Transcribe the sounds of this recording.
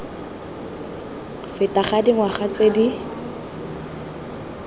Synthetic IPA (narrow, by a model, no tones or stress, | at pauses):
fɪtaχadiŋwaχat͡sedi